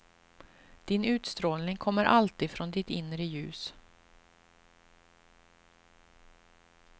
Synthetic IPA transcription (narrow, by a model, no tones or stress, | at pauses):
d̪̥ɪnʉ̟ːt̪st̪ɾoːlnɪŋkʰɔmːəɾʔalt̪iːd̪fɾɔnd̪ɪt̪ɪnɾəjʉ̟̰ːs